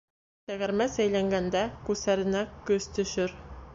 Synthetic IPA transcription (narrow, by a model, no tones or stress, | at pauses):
t̪æɣæ̆ɾmæsæjlæŋɡænd̪ækʉsæɾɘ̆nækɵz̥t̪ɵ̆ʃɘɾ